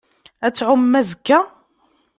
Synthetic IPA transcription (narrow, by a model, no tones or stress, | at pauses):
æt͡sːʕʊmːæzəkːæ